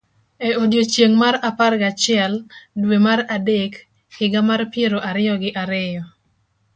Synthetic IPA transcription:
eodjot͡ʃjeŋmaɾaparɡat͡ʃɪɛldwemaɾadekː | ɪɡamarpjeɾoʔaɾɪjɔɡɪʔaɾɪjɔ

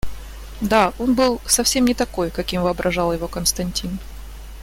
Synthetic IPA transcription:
d̪ao̞nbɨlˠsɐfsʲe̞mnʲɪt̪ɐko̞jkɐkʲimvɨɐbɾʔɐʐɑlˠjɪvo̞kənst̪ɐnʲtʲin

